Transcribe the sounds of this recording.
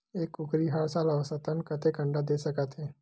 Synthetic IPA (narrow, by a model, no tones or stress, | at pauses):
ekːukɾiɦaɭsaləʋəsət̪ənkət̪ekəɳɖad̪esəkat̪ɦe